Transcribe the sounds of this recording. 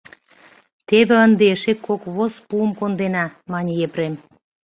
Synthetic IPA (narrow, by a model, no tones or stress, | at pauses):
t̪eβĕənd̪eʃekːokβospuəmkond̪enɑmɑnʲijepɾem